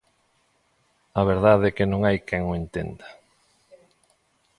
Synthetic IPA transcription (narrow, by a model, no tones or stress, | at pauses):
ɐβ̞eɾðaðɛkenõŋajkɛŋoent̪ḛnd̪a